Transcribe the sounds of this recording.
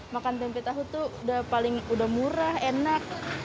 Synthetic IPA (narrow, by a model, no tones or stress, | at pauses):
makant̪ɛmpɛt̪aɦut̪uudahpalɪŋudahmuɾahenak̚